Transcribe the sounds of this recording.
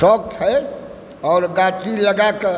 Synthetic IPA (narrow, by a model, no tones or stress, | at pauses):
sɔk̚t͡ʃʰɛ | ɔːɾɡat͡ʃiləɡake